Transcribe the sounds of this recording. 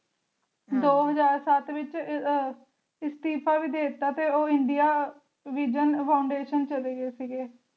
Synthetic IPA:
d̪oːɦəd͡ʒaːɾsət̪ʋɪt͡ʃ | ɪst̪iːpʰaːʋiːd̪eːt̪ːaːt̪eːoːɪɳɖijaː | ʋiːd͡ʒənpʰaːʊɳɖeːʃənt͡ʃəleːɡəeːsiɡeː

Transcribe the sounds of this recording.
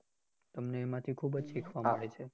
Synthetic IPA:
t̪əmneːmãt̪ʰikʰubəd͡ʒʃikʰʋaməɽet͡ʃʰe

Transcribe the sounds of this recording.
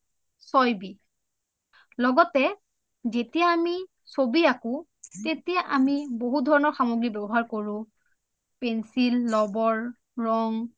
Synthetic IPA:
sɔjbi | lɔɡɔtɛ | zetijaːmi | sobiakʊ | tetijaʔamiboɦudʱɔɹɔnɔɹxamoɡɹibɛbɔɦaɹkoɹʊ̃ | pɛnsilːɔbɔɹ | ɹɔŋ

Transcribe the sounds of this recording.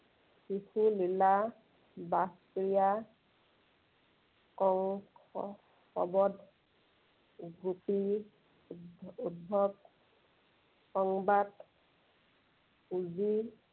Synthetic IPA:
kixulila | bas | ɹija | kɔŋɔ | xɔ̰bɔdʱ | ɡɹupi | ud̚bʱɔk | kɔŋbat | uzi

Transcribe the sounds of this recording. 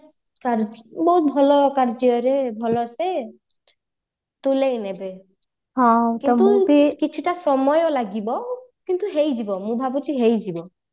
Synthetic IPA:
kaɾbɔɦut̪̚bʱɔlɔkaɾd͡ʒɔɾebʱɔlɔse | t̪ulejnebe | ɦɔ̃kiɔt̪uikit͡ʃʰuʈasɔmɔjɔlaɡibɔkint̪uɦejd͡ʒibɔmũbʱabut͡ʃʰiɦejd͡ʒibɔ

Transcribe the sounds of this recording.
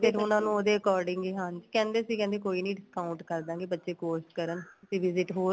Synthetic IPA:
pʰɪɾʊnãːnũːoːd̪eːəkɔːɾɖɪ̃ŋɡeːɦãːɲd͡ʒkɛ̃ːnd̪eːsiːkɛ̃ːnd̪eːkoːiːnĩːɖɪskaːʊ̃ɳʈkəɾd̪ãːɡeːbətːʃeːkoːsʈkəɾənʊsĩːʋɪzɪʈɦoː

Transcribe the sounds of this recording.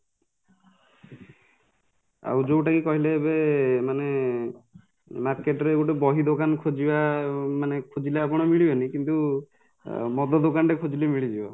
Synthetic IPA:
a̰wd͡ʒowʈakikɔɦilebemane | maɾkeʈɔɾeɡuʈɔbɔɦid̪okankʰod͡ʒibamanekʰud͡ʒileapɔɽ̃ɔmiɭibɔnikint̪u | mɔd̪ɔd̪okanɾekʰod͡ʒilemiɭid͡ʒibɔ̰

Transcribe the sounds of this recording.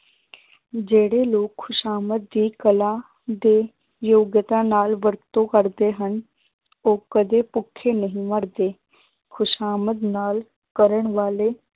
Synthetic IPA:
d͡ʒeːɽeːloːkʰːʊʃaːmət̪̚d̪iːkəlãː | d̪eː | joːɡjət̪ãːnaːlʋəɾt̪õːkəɾd̪eːɦən | oːkəd̪eːpʊkʰːeːnəɦĩːməɾd̪eː | kʰʊʃaːməd̪naːl | kəɾəɳʋaːleː

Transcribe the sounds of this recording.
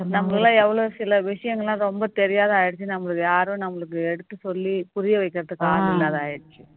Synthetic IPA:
nɐmɐɐlãːɛʋːɐɭoːsɪlɐʋɪʂɐjɐŋɡɐɭːãːɾɔmbɐt̪ɛɾɪjaːðaːjɪɽt͡ʃːɯnɐmːɐɭɯkːjaːɾʊ̃nɐmːɐɭɯk̬ːɯɛɽɯt̪ːɯsɔlːipʊɾɪjɐʋɐɪkːɪɾɐðɯkːaːɪlːaːðaːjɪɽɯt͡ʃːɯ

